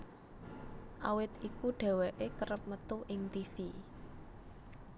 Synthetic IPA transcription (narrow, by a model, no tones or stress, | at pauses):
ʔawɪt̪ikuɖ̥ɛ̤weʔekəɾəp̚mət̪uʔɪŋt̪ifi